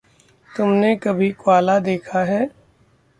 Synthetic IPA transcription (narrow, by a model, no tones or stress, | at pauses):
t̪ʊmnekɐbʱikwaːlad̪eːkʰaɦɛː